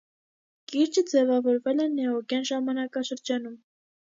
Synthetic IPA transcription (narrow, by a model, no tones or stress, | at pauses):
kiɾd͡ʒəd͡zɛvɑvɔɾvɛlɛnɛɔɡjɑnʒɑmɑnɑkɑʃəɾd͡ʒɑnum